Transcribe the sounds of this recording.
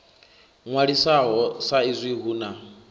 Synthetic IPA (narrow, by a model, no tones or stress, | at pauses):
ŋwaɺisaɦɔsaizʷiɦuːna